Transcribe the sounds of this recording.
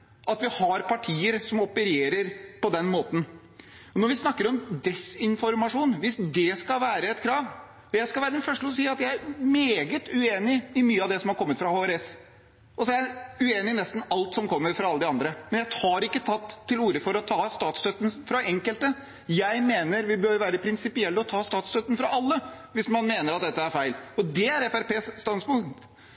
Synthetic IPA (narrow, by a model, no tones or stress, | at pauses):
ʔɑt̪ʋɪhɑɾpʰɑʈʰiːəɾsɔmɔpəɾeːɾəɾpɔd̪ɛnmoːt̪n̩ | ɔnɔɾʋɪsnɑkːəɾɔmd̪ɛsɪnfɔɾmɑʂuːnʋɪsd̪ɛskɑlʋæːɾəɛt̪kʰɾɑːʋ | ɔjæɪskɑlʋæːɾəd̪ɛnfœʂʈəɔs̬iːɑt̪jæɪæɾmeːɡət̪ʉeːnɪɪmyːəɑʋd̪ɛsɔmhɑɾkʰɔmːət̪fɾɑhoːæɾɛs | ʔɔsɔæɾæʉeːnɪnɛst̪n̩ɑlt̪sɔmkʰɔmːəɾfɾɑɑlːəd̪ɪɑnd̪ɾəmɛnjæɪhɑːɾɪkːət̪ʰɑt̪ʰːɪluːɾəfɔɾɔt̪ʰɑːst̪ɑːt̪st̪øt̪ːən̩fɾɑɛŋkəlt̪ə | jæɪmeːnəɾʋɪbøɾʋæːɾəpʰɾɪnsɪpɪɛlːəɔt̪ʰɑːst̪ɑːt̪st̪œt̪ːən̩fɾɑʔɑlːəʋɪsmɑnmeːnəɾɑt̪̚d̪ɛt̪ːəæɾfæɪlɔd̪ɛæɾɛfæɾpeːsːt̪ɑnspʊŋt̪